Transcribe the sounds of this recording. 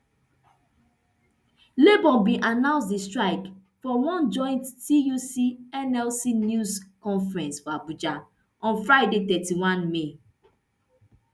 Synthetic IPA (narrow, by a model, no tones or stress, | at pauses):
lebɔ̃nbĩʔanãʊ̃nsdistɹaɪk | fɔwɔ̃nd͡ʒɔ̃ɪ̃nttijusiɛnɛlsinjuskɔ̃nfɹɛ̃nsfabud͡ʒa | ɔ̃nfɹaɪdetɛtiwãnme